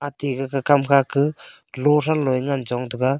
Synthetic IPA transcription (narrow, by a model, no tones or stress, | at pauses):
atiɡɯkakamkʰakʰɯ | lɔɾalɔjŋand͡ʒɔŋdɯɡa